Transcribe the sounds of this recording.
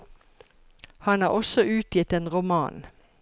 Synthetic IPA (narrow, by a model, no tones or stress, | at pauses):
hɑnɑːʁɔsɔʔʉːt̪ʰjɪt̪eːnʁʊmɑ̰ːn